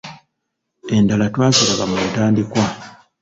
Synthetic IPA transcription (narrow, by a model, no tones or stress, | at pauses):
e̞ndalatwaːzilaɡamuːtaːndikwa